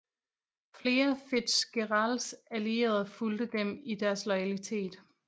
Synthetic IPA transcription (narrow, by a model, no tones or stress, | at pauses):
fle̝ːɐfed̥sɡ̥eʁɑlsælie̝̰ːɐð̞ˠɐfuld̥əd̥emid̥æɐslɒɪælit͡sʰe̝̰ːd̥